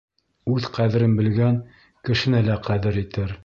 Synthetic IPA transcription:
ʉðqæðɘ̆ɾɘnbɘ̆lɡæŋ | kɘ̆ʃɘ̆nælæqæðɘɾit̪ɘɾ

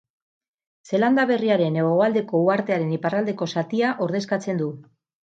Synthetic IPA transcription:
se̞land̪aβ̞e̞riaɾe̞ne̞ɣ̞o̞ald̪e̞ko̞uaɾt̪e̞aɾe̞niparald̪e̞ko̞sat̪iaʔo̞ɾðe̞skat͡se̞nd̪u

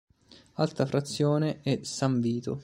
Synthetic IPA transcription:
alt̪afɾat̪sːjoːneɛsaɱviːt̪o

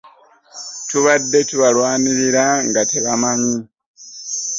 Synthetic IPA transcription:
tuβadːe̞tuβalwaːniɾiɾaŋɡateβamaɲi

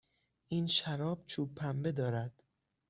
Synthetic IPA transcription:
ʔiːnʃæɾɒːb̥̚t͡ʃʰuːbʰæmbe̞d̪ɒːɾæd̪̥

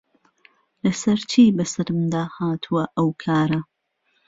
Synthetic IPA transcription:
lɐsɐɾt͡ʃʰiːbɐsɐɾɨmd̪aːhaːt̪ʰuwɐʔɐwkʰaːɾɐ

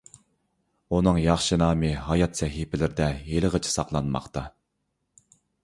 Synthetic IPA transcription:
unɨŋjɑχʃɨnɑːmɨɦɑjɑt̪sɛɦipʰɪlɪɾɪd̪ɛjeləʁət͡ʃʰi̥sɑqlˠɑnmɑ̰qt̪ɑ

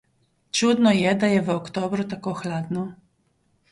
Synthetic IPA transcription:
t͡ʃud̪nɔjɛd̪ajɛʋəɔkt̪oːbɾut̪akoːxlaːd̪nɔ

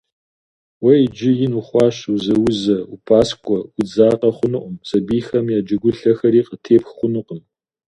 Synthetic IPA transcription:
wɐid͡ʒɪjɪnuχʷɑːɕuzɐwʊzɐupʰaːskʷʼɔwʊd͡zaːqɐχʷʊnɨʔʷʊmsɐbiːxɐmjaːd͡ʒɐɡʷʊɬɐxɐɾiːqətʰeːpxχʷʊnɨqəm

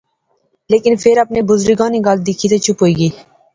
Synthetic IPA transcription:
leːkɪnfʰɪɾəpnebʊzɾɪɡãːniɡald̪ɪkʰiːt̪et͡ʃʰʊpɦoːiːɡiː

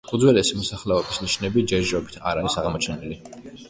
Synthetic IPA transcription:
kʼud̪zwɛlɛsimɔsaχlɛɔbisniʃnɛbid͡ʒɛɾd͡ʒɛɾɔbit̪ʰa̰ɾaɾisaʁmɔt͡ʃʰɛnili

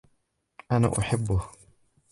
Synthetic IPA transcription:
ʔana̰ːʔʊħabːʊh

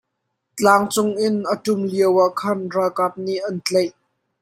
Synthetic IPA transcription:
t͡ɬaːŋt͡sʊŋʔɪnʔətʊmliəwaʔkʰɐnrakap̚niʔɐnt͡ɬejʔ

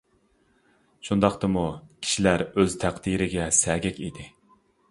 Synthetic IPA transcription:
ʃund̪ɑqt̪ɨmukʲʰi̥ʃilæɾøzt̪ʰæqd̪iɾɪɡʲɛsɛːɡʲɛkʲid̪ɪ

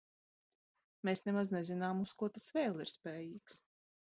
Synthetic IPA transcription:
meːsnemaznezinaːmuskuɔt̪asveːlˠiɾspʲeːjiːks

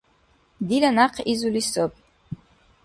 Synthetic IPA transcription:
d̪ilanaqʰizulisopʼ

